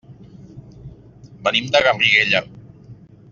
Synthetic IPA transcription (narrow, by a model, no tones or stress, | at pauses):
bənimd̪əɣamriɣeʎa